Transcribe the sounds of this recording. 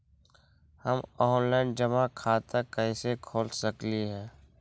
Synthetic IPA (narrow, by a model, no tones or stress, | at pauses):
həmɔːnlaːɪnd͡ʒəmakʰaːt̪akəɪsekʰoːlsəkliɦɛ̃ː